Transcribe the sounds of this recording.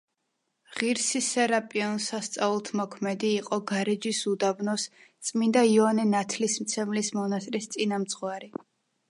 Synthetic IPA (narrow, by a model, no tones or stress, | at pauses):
ʁiɾsisɛɾapʼiɔnsast̪sʼaulˠt̪ʰmɔkʰmɛd̪iːqʼɔɡaɾid͡ʒisud̪abnɔst̪sʼmind̪aiɔanɛnat̪ʰlismt̪sʰɛmlismɔnast̪ʼɾist̪sʼinamt̪sʼχwaɾi